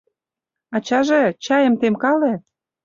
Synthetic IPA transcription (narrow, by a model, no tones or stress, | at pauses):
ɑt͡ɕɑʒĕt͡ɕɑjə̆mt̪emkɑlĕ